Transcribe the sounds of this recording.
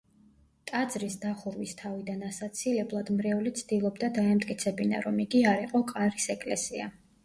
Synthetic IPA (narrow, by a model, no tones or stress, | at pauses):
t̪ʼad̪zɾisd̪aχuɾwist̪ʰavid̪anasat̪sʰilɛblˠad̪mɾɛulit̪sʰd̪̥ilˠɔbd̪ad̪aɛmt̪ʼkʼit̪sʰɛbina̰ɾɔmiɡiaɾiqʼɔkʼaɾisɛkʼlɛ̰sia̰